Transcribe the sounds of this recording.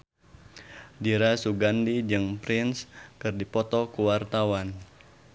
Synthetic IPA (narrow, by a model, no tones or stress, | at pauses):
diɾasuɡandid͡ʒɨŋpɾɪnskɨrdipɔt̪ɔkuwart̪awan